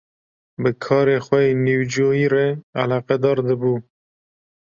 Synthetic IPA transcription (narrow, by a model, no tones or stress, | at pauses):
bəkʰɑːɾeːxwɛniwd͡ʒoːjiːɾea̰lɑːqɛd̪ɑːɾd̪ɨbuː